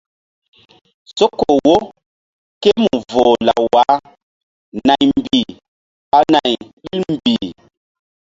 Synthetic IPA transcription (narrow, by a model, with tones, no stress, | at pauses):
so˦kːo˨wo˦ | ke˦mu˨vo˨la̰˨wa˨˦ | na˨jm˨bi˨ | a˨na˨jɗi˦lm˨bi˨